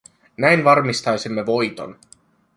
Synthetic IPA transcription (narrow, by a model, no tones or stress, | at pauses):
næjnʋɑrmist̪ɑjsimːe̞ʋo̞jt̪o̞̰n